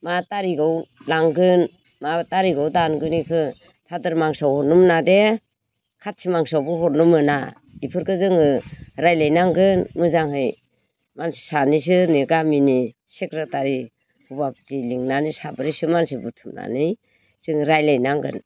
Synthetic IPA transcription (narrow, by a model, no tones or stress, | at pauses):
mataɾiɡɯwlaŋɡɯn | mataɾiɡɯwdanɡɯnikʰɯ | tʰadɯɾmaŋsawhɔnumnade | kʰat̚sʰimaŋsawbɯɦɔɾnumɯna̰ | ipʰɯɾkʰɯzɯŋɯɾajlajnaŋɡɯnmɯzaŋhɯj | mansi̥sanis̬ɯneɡamini | sekɾataɾi | hubaptiliŋnanisabɯɾisɯmansibutʰumna̰nɯj | z̥ɯŋɾajlajnaŋɡɯ̰n